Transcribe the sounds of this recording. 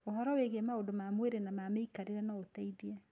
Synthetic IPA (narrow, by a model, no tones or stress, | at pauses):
oɦɔɾɔweɣeɛmaodomamweɾenamameikaɾeɾɛnaotaiðiɛ